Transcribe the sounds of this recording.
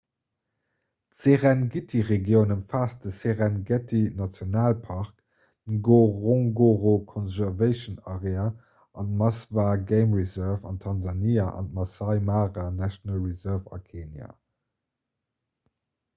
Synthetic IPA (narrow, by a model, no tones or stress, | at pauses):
tseʁɛnɡitʰiʁeɡjəʊnəmfaːsdəseʁænɡɛtinɑt͡sjonaːlpʰɑʁk | ɡoʁõŋɡoʁokʰɔnzæʁvəɪʃənaʁea | ɑntmɑsvaːɡeɪmʁizɜʁvɑ̰ntʰɑnzɑniaʔɑ̰ntmɑsɑɪmaːʁanæʃonɑlʁizɜvɑ̰kʰeːnja̰